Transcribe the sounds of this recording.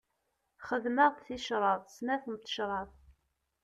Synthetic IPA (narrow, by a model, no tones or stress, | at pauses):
χəðməʁtθiʃɾˤɑðˤsnæθəmt̪ːə̥ʃɾˤɑθ